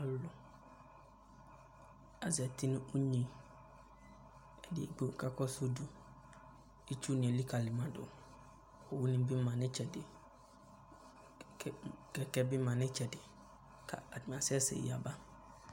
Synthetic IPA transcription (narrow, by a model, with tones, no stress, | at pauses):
a˨lʊ˨ | a˨za˨tʰi˦nʊ̃˦ʊ˦ɲĩ˨ | ɛ˨dɪ˨ɛ̰˨ɡ͡bo˦˨kʰa˦kʰɔ˦so˦du˨ | e˦t͡ʃʰu˦nɪ̃˨ɛ˨li˦kʰa˨lɪ˨mã˨dʊ̰˨ | ɔ˨wʊ˦nɪ̃˦m˦bɪ˦mã˨nɪ̃˦t͡ʃʰɛ˨dɪ˨ | kɛ˨kɛ˦bɪ˦mã˨nɪ̃˦t͡ɕʰɛ˨dɪ˨ | kʰa̰˨a˨dɪ˨m˨a˨sɪ˦ɛ˦sɛ̰˨ja˨ba˦